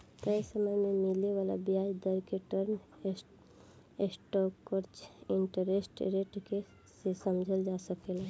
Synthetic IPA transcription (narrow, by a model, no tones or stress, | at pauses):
k̪əsəməjmẽmɪleʋaːla̰biaːd͡ʒd̪əɾkeʈəɾn | esʈokːoɾt͡ʃɪɳʈəɾesʈɾeʈke | sesəmd͡ʒʱəld͡ʒaːsəkela